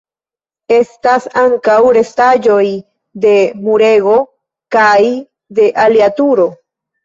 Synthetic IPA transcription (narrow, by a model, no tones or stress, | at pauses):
e̞stasaŋkawɾe̞stad͡ʒo̞j | de̞muɾe̞ɡo̞ | kaj | de̞ʔaliatuɾo̞